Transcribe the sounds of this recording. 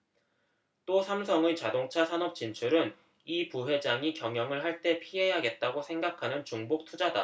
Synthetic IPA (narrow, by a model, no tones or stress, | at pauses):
t͈osʰamsʰʌŋet͡ɕadoŋt͡ɕʰasʰanʌp̚t͡ɕ͈int͡ɕʰuɾɯn | ipuwe̞d͡ʑaŋikjʌŋjʌŋɯɭɦaɭt͈e̞pʰiɦe̞ɦaɡe̞t̚t͈aɡosʰe̞ŋɡakʰanɯnt͡ɕuŋbok̚tʰud͡ʑada̰